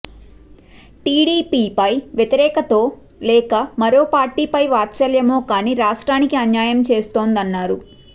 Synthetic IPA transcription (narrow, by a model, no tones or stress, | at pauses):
ʈiːɽiːpiːpɐjʋjɐt̪iɾɛːkɐt̪o̞ː | lɛːkɐmɐɾo̞ːpaːɾʈiːpɐjʋaːt̪t͡ʃɐljɐmoːkaːniːɾaːʂʈɾaːnikiɐɲjaːjɐmt͡ʃe̞ːst̪o̞ːnd̪ɐnːaːɾu